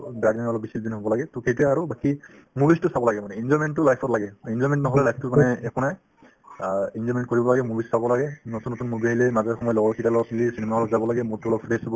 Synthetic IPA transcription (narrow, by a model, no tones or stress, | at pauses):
bɹadninɔlɔk̚bisilbinɦobɔlaɡɛtʊkʰetɛaɹubaki | mubʱistʊsabɔlaɡɛmanɛinzɔɹmɛntːʊlajpʰɔtlaɡɛinzɔɹmɛntnɔɦɔlɛlajpʰtʊmanɛɛkʰɔnaj | inzɔɹmɛnt̚koɹibɔlaɡɛmubʱissabɔlaɡɛnotunːotunmubajlɛmazaxɔmɔjɔlɔɡɔɹkʰitalɔkʰilisinemaɔlɔpzabɔlaɡɛmutulɔkpʰɹesɔbɔ